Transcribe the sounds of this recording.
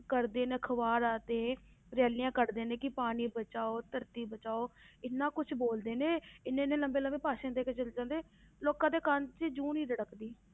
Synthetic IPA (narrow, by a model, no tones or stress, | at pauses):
kəɾd̪eːneːkʰəʋaːɾaːt̪ẽː | ɾɛːlɪjãːkəɾd̪eːnẽːkɪpaːniːbət͡ʃaːoːt̪əɾt̪iːbət͡ʃaːoːɪnːãːkʊt͡ʃʰboːld̪eːnẽːɪnːẽːnẽːləmbeːləmbeːpaːʃãːd̪eːket͡ʃəld͡ʒãːnd̪eː | loːkãːd̪eːkənt͡ʃed͡ʒuːniːdəɽəkd̪iː